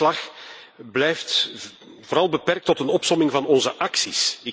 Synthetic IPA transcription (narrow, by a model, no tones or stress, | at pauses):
lɑx | blɛjft | voːɾɑlˠbəpɛrk̚tɔtənɔpsɔmɪŋvɑnɔnzəʔɑksisɪ